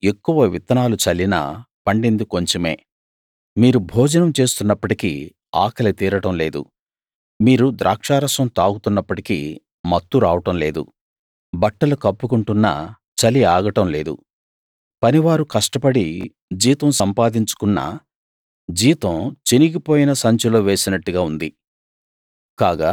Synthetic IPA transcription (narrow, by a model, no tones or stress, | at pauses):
ekːuʋɐʋit̪ɐnaːlut͡ʃɐlːinɐ̰pɐɳɖend̪iko̞ɲt͡ʃome̞̰ː | miːɾubʱɔːd͡ʒɐnɐmt͡ʃe̞ːst̪unːɐpːɐʈikḭ | a̰ːkʰɐlɐt̪iːɾɐʈɐmle̞ːd̪ṵ | miːɾud̪ɾʔa̰ːkʂaːɾɐsɐmt̪aːɡut̪unːɐpːɐʈikḭ | mɐt̪ːuɾaːʋɐʈɐmle̞ːd̪ṵ | bɐʈːɐlukɐpːukuɳʈunːɐ̰ | t͡ʃɐliaːɡɐʈɐmle̞ːd̪ṵ | pɐniʋaːɾukɐʂʈɐpɐɽi | d͡ʒiːt̪ɐmsɐmpaːd̪iɲt͡ʃu̥kunːa̰ː | d͡ʒiːt̪ɐ̃mt͡ʃiniɡipo̞ːjinɐsɐɲt͡ʃulo̞ːʋe̞ːsinɐʈːuɡaːund̪i | kaːɡaː